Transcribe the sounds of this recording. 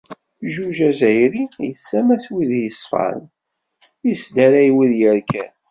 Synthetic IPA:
ʒuʒæzæjɾijəsːæmæθwiðjəsˤfɑ̰ɾ̰n | jəsd̪æɾæjwiðjəɾkæn

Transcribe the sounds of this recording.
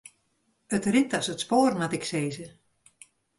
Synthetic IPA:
ətrɪtɔsətspoːrmatɪkseːzə

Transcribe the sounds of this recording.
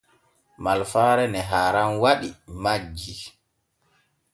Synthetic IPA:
malfaːɾɛnɛɦaːɾanwaɗimad͡ʒːi

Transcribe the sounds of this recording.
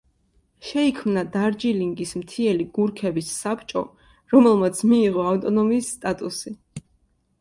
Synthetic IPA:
ʃɛikʰmnad̪aɾd͡ʒiliŋɡismt̪ʰiɛliɡuɾkʰɛbisːapt͡ʃʼɔ̰ | ɾɔmɛlˠmat̪sʰmiːʁɔaft̪ʼɔnɔmiːsːt̪ʼat̪ʼusi

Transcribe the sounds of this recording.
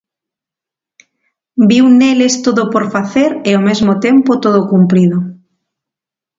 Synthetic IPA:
biwnelest̪oðopoɾfaθeɾeomezmot̪empot̪oð̞okumpɾiðo

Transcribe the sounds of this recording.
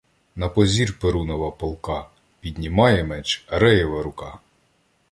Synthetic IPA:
nɐpɔzʲirpeɾunɔʋɐpɔlˠkɑ | pʲid̪ʲnʲimɑjɛmɛt͡ʃɾɛjɔʋɐɾʊkɑ

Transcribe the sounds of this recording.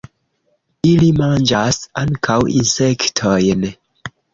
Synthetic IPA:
ilimand͡ʒasaŋkʰawḭnsektʰojn

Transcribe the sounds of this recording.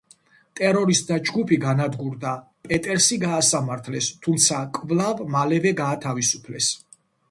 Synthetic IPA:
t̪ʼɛɾɔɾist̪d̪ad͡ʒɡupʰiɡanad̪ɡuɾd̪a | pʼɛt̪ʼɛɾsiɡaːsamaɾt̪ʰlɛst̪ʰumt̪sʰakʼvlˠavmalɛvɛɡaːt̪ʰavisu̥pʰlɛs

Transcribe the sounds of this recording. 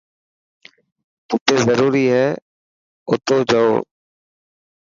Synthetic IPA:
t̪ʊt̪eːzəɾuːɾiːɦɛː | ʊt̪oːd͡ʒəoː

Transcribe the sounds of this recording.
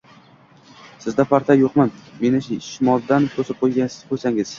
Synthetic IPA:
sɪzd̪afaɾt̪ʰajoqmanme̞nɪʃʃɪmɒlˠd̪ant̪ʰosɪp̚qʰojɡʲabolʲsaŋɪz̥

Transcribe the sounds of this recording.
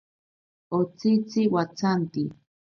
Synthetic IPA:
ot͡sit͡siwat͡sant̪i

